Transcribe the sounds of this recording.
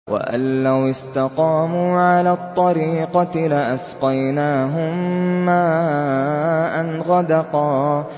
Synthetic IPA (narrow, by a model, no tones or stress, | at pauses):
wʔa̰ʔa̰lːawɪst̪ɑqɑːmuːʕalaːt̪ˤːɑɾiːqɑlɪʔasqɑjnaːɦʊmːaː | ʔanɣɑd̪ɑqɑː